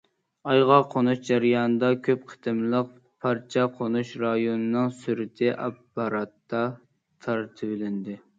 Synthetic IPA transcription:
ɑjʁɑqʰonuʃd͡ʒæɾijɑːnɨd̪ɑkʲʰøp̚qʰə̥t̪ʰɨmlˠəq̚ | pʰɑɾt͡ʃʰɑqʰonuʃɾɑjonɨnɨŋsyɾɪt̪ʰɪʔɑpːɑɾɑt̪ːɑ | t̪ʰɑɾt̪ʰɨbɪlɪnd̪ɪ

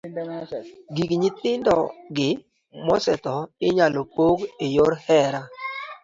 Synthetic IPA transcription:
ɡikɲɪt̪ɪndɔɡɪ | mɔsɛt̪ɔɪɲalopoɡejoɾhɛɾa

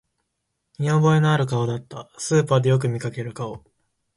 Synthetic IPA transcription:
ɲʲĩobo̞e̞noaɾɯ̟k̬ao̞d̪at̪ːasɨːpaːd̪e̞jo̞k̬ɯ̟mʲikake̞ɾɯ̟kao̞

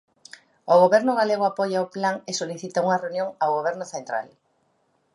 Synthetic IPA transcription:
oɣoβɛɾnʊɣaleɣʊapɔjaoplaŋesoliθit̪ɐuŋɐreunjõŋawɣoβ̞ɛɾnʊθent̪ɾa̰l

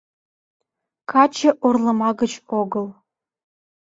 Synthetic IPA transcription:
kɑt͡ɕə̆ʔurlˠɤ̆mɑɡə̆t͡ɕoɡɤ̆lˠ

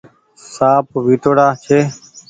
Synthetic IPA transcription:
saːp̚ʋiːʈoːɽaːt͡ʃʰeː

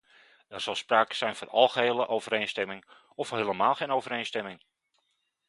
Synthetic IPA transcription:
ɛrz̥ɑlˠspraːkə̥z̥ɛjnvɔnɑ̰lˠχəɦeːlˠəʔowvəɾejnstɛmɪŋ | ɔfheːləmaːlˠχejnowvəɾejnstɛmɪŋ

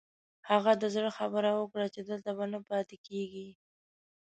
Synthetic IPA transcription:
haɣad̪əzɽəxabəɾawəkɽat͡ʃed̪əlt̪abanəpɑt̪ɪkeɡi

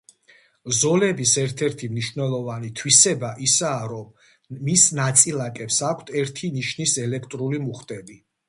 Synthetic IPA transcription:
zɔlɛbisɛɾt̪ʰɛɾt̪ʰimniʃvnɛlˠɔvanit̪ʰwisɛbaʔisaːɾɔmː | isnat̪sʼilˠakʼɛpsakʷʰt̪ʰɛɾt̪ʰiniʃnisɛlɛkʰt̪ʼɾulimuχt̪ʼɛbi

